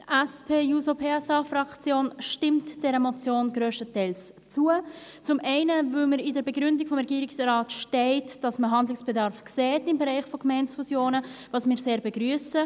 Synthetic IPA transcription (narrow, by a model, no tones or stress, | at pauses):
ʔɛspʰeːjuːsopʰeːɛsɑːfrɑkt͡sjoːnʃtɪmtd̥ɛɾəmɔt͡sjoːnɡ̥ɾøːʃtətɛɪls | t͡suə | t͡sʊmʔɛɪnəvʏlməɾɪdəɾbeɡɾʏndɪkfɔmɾɛɡiːɾɪksrɑːtʃtɛɪtd̥ɑsməɦɑndlɪŋsb̥edɑɾfksɛːtɪmbeɾɛɪχfokmɛɪnsfusjoːnəvɑːsmɪːɾseːɾbeɡɾyəsə